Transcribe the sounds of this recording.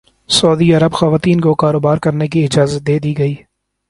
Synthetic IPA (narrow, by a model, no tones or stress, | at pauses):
sɔːd̪iɐɾəbxɐʋaːt̪iːnkokaːɾoːbaːɾkɐɾnekiɪd͡ʒaːzət̪̚d̪eːd̪iɡɐiː